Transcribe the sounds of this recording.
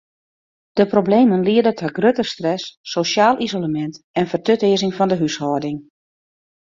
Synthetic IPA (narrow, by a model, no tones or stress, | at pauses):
d̥əprobleːmənliədətʰəɡrøtərstrɛsːoʃaːlˠʔizoləmɛnt | ɛnfərtøtɪəzɪŋfɔndəɦyshɔːdɪŋ